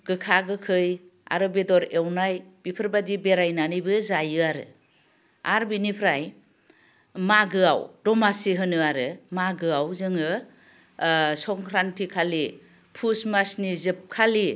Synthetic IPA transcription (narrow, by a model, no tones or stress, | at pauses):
ɡɯkʰaɡɯkʰɯja̰ɾɯbedɔɾewnajb̥ipʰɯɾbadibeɾajnanɯjbɯzajɯaɾɯ̰ | a̰ɾbinipʰɾaj | maɡɯa̰wdɔmasiɦɯnɯaɾɯmaɡɯawzɯŋɯ | sɔŋkʰɾantʰikʰali | pʰusmasnizɯp̚kʰali